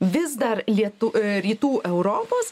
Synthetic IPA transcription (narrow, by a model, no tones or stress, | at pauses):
ʋʲɪzd̪ɐɾlʲiɛt̪ʊɾʲiːt̪uːʔɛʊɾoːpoːs